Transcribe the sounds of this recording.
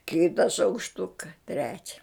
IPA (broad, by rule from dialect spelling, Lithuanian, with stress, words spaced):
ˈkʲɪtɐ ʃɐʊkʃˈtʊkɐ ˈtʲrʲæːt͡ʃʲɛ